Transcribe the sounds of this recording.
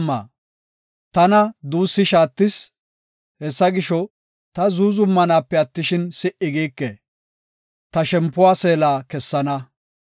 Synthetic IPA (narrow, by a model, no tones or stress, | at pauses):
mːa̰ː | t̪ɐnɐd̪uːsːɪʃaːt̪ːɪs | hɛsːɐɡɪʃɔ | t̪ɐzuːzʊmːɐnaːpːɛɐt̪ːɪʃɪnsɪʔɪɡiːkːɛ | t̪ɐʃɛmpːʊwaːse̞ːlaːkɛsːɐnɐ